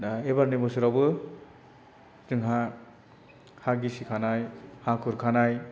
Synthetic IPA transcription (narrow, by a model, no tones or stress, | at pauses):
ebaɾnebɔsuɾawbɯ | zɯŋɦa | haɡisikʰanajhakʰuɾkʰanaj